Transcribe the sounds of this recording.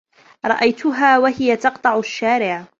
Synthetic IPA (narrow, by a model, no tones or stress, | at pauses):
ɾˤɑ̰ʔajt̪ʊɦaːwaɦɪjat̪ɑqt̪ˤɑʕʊʃːaːɾɪʕ